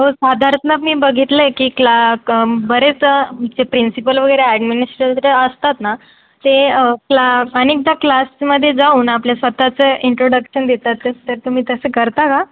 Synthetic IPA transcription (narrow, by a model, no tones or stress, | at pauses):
ɦosad̪ʱaɾt̪nəmiːbəɡʱit̪ləjkiːklabəɾet͡sd͡zepɾinsipəlʋəɡəjɾeæɖminisʈɾəlt̪ɾeəst̪at̪na | t̪eklaənik̚d̪aklasməd̪ʱːjed͡zauːnapljasʋət̪at͡səiɳʈɾoɽəkɕənd̪et̪at̪ːət̪əɾt̪umiːt̪əsekəɾt̪aka